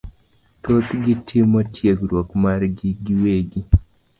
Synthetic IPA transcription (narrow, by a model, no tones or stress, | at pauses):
t̪ot̪ɡitʰimɔtʰjeɡɾwokmaɾɡiɡiweɡi